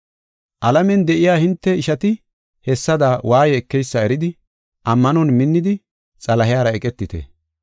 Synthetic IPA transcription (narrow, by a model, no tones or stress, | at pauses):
ʔɐlɐmɛnd̪ɛʔɪjaːhɪnt̪ːɛɪʃɐt̪ɪ | hɛsːɐd̪awʔaːjɛːkːɛjsːɐɛɾɪd̪ɪ | ʔɐmːɐnɔnmɪnːɪd̪ɪ | t͡sʼɐlɐɦɪjaːɾɐɛkʼɛt̪ːɪt̪ɛ̰